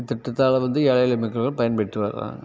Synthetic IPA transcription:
t̪ːɪʈːɐt̪ːaːlɐʋɐnd̪ɯeːɭɐjɐlɐmɪkːɐɭɣɐɭpɐjɐnpɐɽɪʈːɯʋɐɾ̰a̰ːŋɡɐ

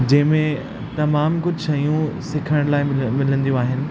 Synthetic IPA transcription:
d͡ʑɐ̃ɦɪ̃mẽ | t̪ɐmaːmkʊd͡ʑʱʃɐijũsɪkʰəɽ̃laːɪmmɪlə̃nd̪ijũaːɦɪnɪ̆

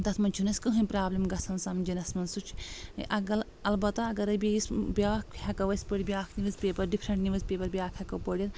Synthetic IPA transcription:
t̪ɐt̪ʰmɐnʲt͡ʃʰunɐsʲkɐɦɐnʲpɾaːblʲɐmɡɐsʰɐnsɐmd͡ʒinɐsmɐnsut͡ʃʰʔɐɡɐl | ɐlbɐt̪ɐɐɡɐɾɐbʲiisbʲaːkhʲɐkɐʋɐsʲpəɽʲibʲjaːkʰniʋɐsʲpʲeːpɐɾɖipʰɾɐɳʈniʋɐsʲpʲeːpɐɾbʲaːkʰʲhʲɐkɐwpəɽʲjɐt̪

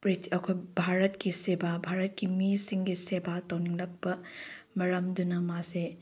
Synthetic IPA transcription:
pɾitiɐkʰojbʱaɾɐtkisebabʱaɾɐt̚kimisiŋɡisebatɐwniŋlɐk̚pɐ | mɐɾɐmdunɐmase

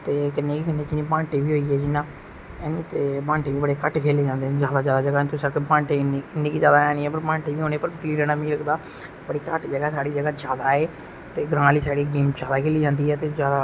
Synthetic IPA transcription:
t̪eːkɪnːeːkikɪnːeːd͡ʒɪnĩːpãːɳʈiːʋiːɦoːiːɛːd͡ʒɪnãː | ɛːnĩːt̪eːpãːɳʈeːʋiːbəɽeːkəʈkʰeːleːd͡ʒãːnd̪eːɛzjaːd̪aːd͡ʒjaːd̪aːd͡ʒəɡaːt̪ʊsəkːpãːɳʈeːnːɪnːẽːkiːd͡ʒjaːd̪aːɛːnĩːɛːpəɾpãːɳʈiːʋiːɦoːneːpəɾkɪliːɾɛːnaːmĩːləkd̪aː | bəɽiːkəʈd͡ʒəɡaːsaːɽiːd͡ʒəɡaːd͡ʒaːd̪aːeː | t̪eːɡɾãːliːsaːɽiːɡiːmd͡ʒaːd̪aːkʰeːliːd͡ʒãːnd̪iːɦɛːt̪eːd͡ʒjaːd̪aː

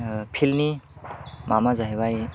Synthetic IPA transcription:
pʰilni | mamazaɦjbaj

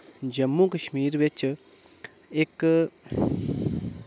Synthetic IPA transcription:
d͡ʒɐmːukɐʃmiːɾʋet͡ʃ | eːk

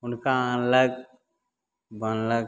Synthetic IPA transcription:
ʊnkaaləɡ | bənləɡ

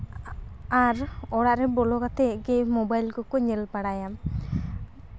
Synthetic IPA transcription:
aɾɔɽaʔɾɛbɔlɔkat̪ɛɡɛmɔbajlkɔkɔɲɛlpaɽajam

